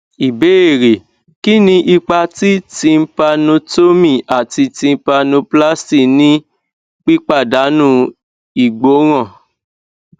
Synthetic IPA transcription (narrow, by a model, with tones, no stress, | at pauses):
i˨be˦e˦˨ɾe˨ | ki˦nĩ˧ʔi˧k͡pa˧ti˦tĩ˧m̩˦pa˧nũ˧to˦mĩ˦˨a˨ti˧tĩ˧m̩˦pa˧nũ˧pla˦sti˦˨nĩ˦ | k͡pi˦k͡pa˦˨da˨˦nũ˦ | i˦˨ɡ͡bo˨˦ɣ̃ã˦˨